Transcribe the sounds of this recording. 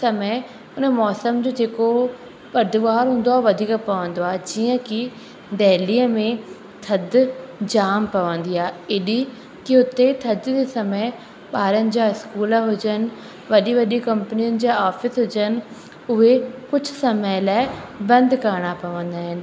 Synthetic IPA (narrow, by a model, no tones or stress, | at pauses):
sɐmə | ʊnəmɔːsəmd͡ʑoːd͡ʑeːko | ɓɐɾd̪ʊʋaːɾɦũːn̆d̪oaːɦʋɐd̪ʱiːkpɐʋə̃nd̪oaːd͡ʑiːə̃ki | d̪ɛːliːəmẽ | t̪ʰɐd̪d͡ʑaːmpɐʋə̃nd̪iaːɦeːɗi | kiɦʊt̪et̪ʰɐd̪d͡ʑesɐməɪ | ɓaːɾənɪ̆d͡ʑaːɪskuːləɦʊd͡ʑənɪ̆ | ʋɐɗiʋɐɗikɐ̃mpnijənɪ̆d͡ʑaːaːfɪsɦʊd͡ʑənɪ̆ | ʊɦekʊd͡ʑʱʊsɐməjlaːɪbɐ̃nd̪kɐɾɽ̃apɐʋə̃nd̪aːɦɪnɪ̆